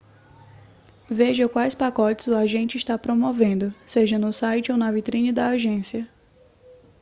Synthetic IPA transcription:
veʒɐkwajspakɔt͡ʃɪzʊaʒẽnt͡ʃɪiʃt̪apɾomovẽnd̪ʊseʒɐnʊsajt͡ʃɪownɐvit̪ɾĩnɪd̪ɐaʒẽsiɐ

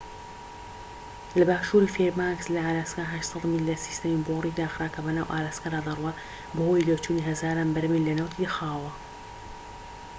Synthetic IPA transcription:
lɐbaːʃuːɾifeɾmakslɐaːlaːskaɦɐʃsˤɑd̪milːɐsi̥st̪ɐmiboriːd̪aːxɾaːkʰɐbɐnaːwʔa̰ːlaːskad̪aːd̪ɐrˤwɐ | bɐhojloːt͡ʃuːniɦɐzaːɾaːnbɐɾɐmilɐnaːwt̪ʰixaːwɐ

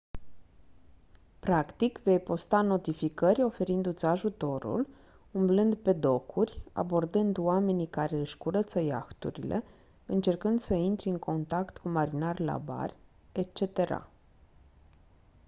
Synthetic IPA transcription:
pɾakt̪ikve̞jpo̞st̪ano̞t̪ifikəɾʲo̞fe̞ɾind̪ut̪sʲaʒut̪o̞ɾṵl | umblɨnd̪pe̞d̪o̞kʰurʲa̰bo̞rd̪ɨnd̪wame̞nikaɾe̞ɨʃkuɾət̪səjaxt̪ṵɾḭlʔe̞̰ | ɨnt͡ʃe̞rkɨnd̪səint̪ɾiɨŋkʰo̞nt̪akt̪kumaɾinarʲla̰ba̰rʲ | et͡ʃe̞t̪e̞ɾa̰

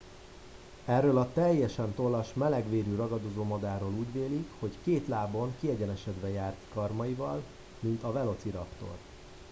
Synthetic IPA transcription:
ɛrːøːlɒt̪ɛjːɛʃɛnt̪o̞lːɒʃmɛlɛɡʋeːɾyɾɒɡɒd̪ozoːmɒd̪aːɾoːluːɟveːlikho̞ckeːt̪laːbo̞ŋkiɛɟɛnɛʃɛd̪ʋɛjaːrt̪kɒrmɒivɒl | mint̪ɒvɛlo̞t̪siɾɒpt̪o̞̰r

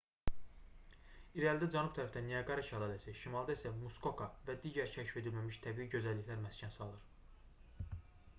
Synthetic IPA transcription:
iɾɑlid̪æd͡ʒænub̚t̪ʰæɾæfd̪ænijɑɡɑɾɑʃælˠɑːlæsiʃimɑlˠd̪ɑisæmusko̞kʰɑvæd̪iːɟæɾcʰæʃi̥fe̞d̪ilmæmiʃt̪ʰæbiiɟø̞zælːiçlæɾmæscʰænsɑlˠɯɾ̥

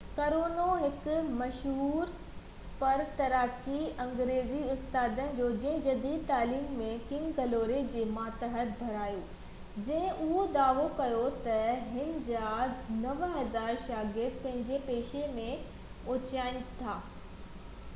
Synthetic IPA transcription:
kɐɾoːnoɦɪkmɐʃɦuːɾ | pɐɾt̪ɐɾaːkiɐ̃ŋɡɾeːziʊst̪aːd̪ənɪ̆d͡ʑoːd͡ʑɐ̃ɦɪ̃d͡ʑɐd̪iːd̪̚t̪aːliːmːẽkɪ̃ŋɡɡɐloːɾed͡ʑeːmaːt̪əɦət̪̚bʱɐɾaːjoː | d͡ʑɐ̃ɦɪ̃ʔʊɦod̪aːʋokɐjot̪ɐɦɪnɪ̆d͡ʑaːnɐʋɦɐzaːɾʃaːɡɪɾd̪̚pɐ̃ɦɪ̃ɲd͡ʑepeːʃemẽ | ʊːt͡ɕaːɪnt̪ʰaː

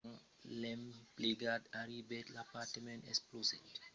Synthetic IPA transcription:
ŋ | lɛmpleɡadaɾibɛtlapatəmɛ̃ntɛsplosɛ̰t

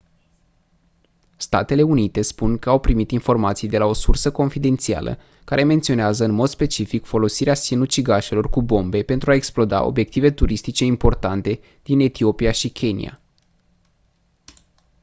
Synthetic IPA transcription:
st̪a̰t̪e̞le̞unit̪e̞spunkəawpɾimit̪info̞rmat̪sijd̪e̞lao̞sursəko̞nfid̪e̞nt̪sia̰lʔə̰ | kaɾʔe̞me̞nt̪sio̞neazəɨnmo̞d̪spe̞t͡ʃifikfo̞lo̞siɾeasinut͡ʃiɡaʃe̞lo̞rkubo̞mbe̞pe̞nt̪ɾuaeksplo̞d̪a̰o̞̰bje̞k̚t̪ive̞t̪uɾist̪it͡ʃe̞impo̞rt̪ant̪e̞ | d̪̥ine̞t̪io̞piaʃikʲʰe̞nḭa̰

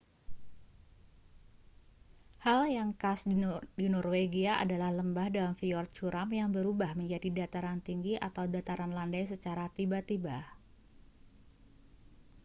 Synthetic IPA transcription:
haljaŋkasdidinɔrweɡiaʔa̰dalahləmbahdalamfiɔr̚t͡ʃuɾamjaŋbəɾubahməɲd͡ʒadidat̪aɾant̪iŋɡiʔa̰t̪awdat̪aɾanlandajsət͡ʃaɾat̪ibat̪iba

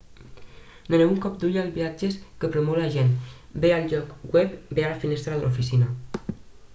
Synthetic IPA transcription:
nəneuŋkɔpd̪uʎalβiad͡ʒeskəpɾomolaʒenbealʒɔkɡwɛpbealafinest̪ɾaðəlofisina

